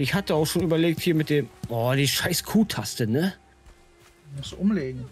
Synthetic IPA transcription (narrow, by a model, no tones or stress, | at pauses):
ʔɪçhatəaʊxʃoːnyːbɐleːk̚thiːɐmɪt̚d̥eːmʔɔːdiːʃaɪskʰuːtʰastənə | mʊsʔʊmleːɡŋ̩